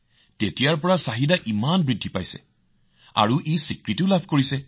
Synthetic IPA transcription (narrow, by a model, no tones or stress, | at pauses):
tetijaɹpɔɹasaɦidaʔimanbɹidʱːipajsɛ̰ | a̰ɹuʔejsikɹitiʊlabʱkoɹisɛ